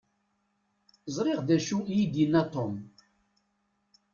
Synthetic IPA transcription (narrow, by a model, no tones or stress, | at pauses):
zˤɾˤɪʁðæʃuijid̪inːæt̪ˤːom